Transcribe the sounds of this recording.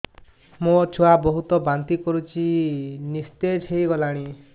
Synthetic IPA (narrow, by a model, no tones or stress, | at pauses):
mõt͡ʃʰuabɔɦut̪ɔbant̪ikɔɾut͡ʃʰinist̪ed͡ʒʰejɡɔlaɽ̃i